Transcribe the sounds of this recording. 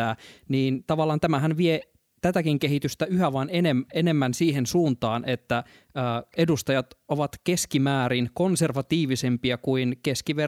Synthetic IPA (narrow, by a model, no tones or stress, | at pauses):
æːniːnt̪ɑʋɑlːˑɑːnt̪æmæɦænʋie | t̪æt̪ækiŋkehit̪yst̪æyɦæʋɑnenemene̞mːænsiːɦensuːnt̪ɑːnʔet̪ːæ | əːedust̪ɑjɑt̪oʋɑt̪ke̞skimæːɾinkonserʋɑt̪iːʋisempiɑkuinkeskiʋe